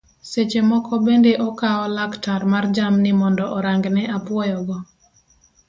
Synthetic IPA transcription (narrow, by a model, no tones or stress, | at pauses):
set͡ʃemɔkʰɔbendeʔɔkaɔlaktaɾmard͡ʒamnɪmɔndɔʔɔɾaŋɡnɛʔapwɔjɔɡɔ